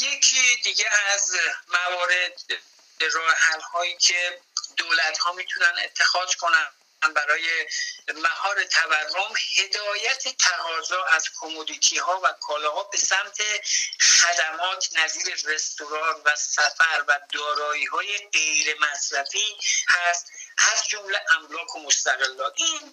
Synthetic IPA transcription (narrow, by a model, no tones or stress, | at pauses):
jecʰid̪iɟeæzmævɒːɾe̞d̪̚ | ɾɒːɦælhɒːiːcʰe̞d̪oːlæt̪hɒːmiːt̪ʰunænḛt̪ʰːe̞xɒːz̥kʰo̞næ | nbæɾɒːjemæhɒːɾe̞t̪ʰæværːo̞mhe̞d̪ɒːjæt̪ʰet̪ʰæɣɒːzɒːæz̥kʰomud̪iːt̪ʰiːɦɒːvækʰɒːlɒːhɒːbe̞sæmt̪ʰe̞xæd̪æmɒːt̪ʰnæziːɾe̞re̞st̪oɾɒːnvæsæfæɾvæd̪ɒːɾɒːiːhɒːje̞ɢe̞jɾe̞mæsɾæfiːhæst̪æzd͡ʒomleʔæmlɒːkʰomost̪æɣe̞lːɒːt̪ʰiːn